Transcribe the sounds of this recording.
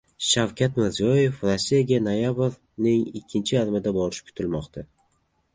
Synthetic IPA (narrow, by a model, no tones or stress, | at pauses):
ʃawkʲʰat̪mɪɾzijɒje̞fɾosːijaɡʲanojabɾ | nɪŋɪkʲʰːɪnt͡ʃʰɪjaɾmɪd̪abɒɾɪʃkʰʊ̥t̪ʰɪlmɒqt̪ʰa